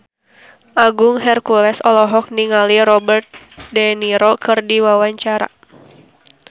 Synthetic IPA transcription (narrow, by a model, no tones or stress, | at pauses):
ʔaɡuŋɦɛrkulɛsɔlɔɦɔk̚niŋaliɾɔbərt̪̚ | dɛniɾokɨrdiwawaɲt͡ʃaɾa̰